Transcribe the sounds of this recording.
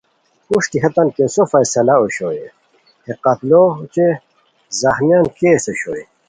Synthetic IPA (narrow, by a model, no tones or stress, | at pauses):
uʂʈ̪iɦɐt̪ɐnkesofɐjsɐlaoɕoːje | heqɐt̪lot͡ɕe | zɐxmjankesoɕo̰ːje